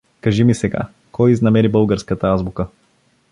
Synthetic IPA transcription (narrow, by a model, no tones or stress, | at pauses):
kaʒimisɛɡa̰ | kɔjiznɐmɛɾibɤlˠɡəɾskət̪ɐazbukə